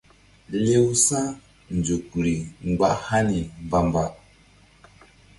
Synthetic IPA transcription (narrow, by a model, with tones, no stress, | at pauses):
le˦wsa˦ | n˨d͡ʒu˨kɾi˨ŋ͡mɡ͡ba˨ʔha˦ni˨mba˨mba˨ʔ